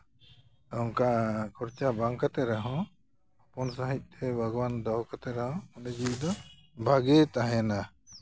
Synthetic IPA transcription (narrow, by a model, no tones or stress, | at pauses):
ɔŋkakʰɔɾt͡ʃabaŋkat̪ɛɾɛɦɔ̃ | apɔnsaɦic̚ˀt̪ʰɛbʱaɡɔwand̪awkat̪ɛɾɛhɔ̃ɔned͡ʒid̪ɔbʱaɡɛt̪aɦɛ̃na